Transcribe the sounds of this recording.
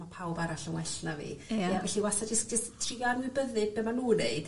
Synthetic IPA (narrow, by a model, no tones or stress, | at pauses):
apʰawbaɾaɬənwɛɬnavḭjavɛɬiwasad͡ʒəsk̚d͡ʒəstʰrianwɪbəðɨd̚bɛmanuːneɨd̥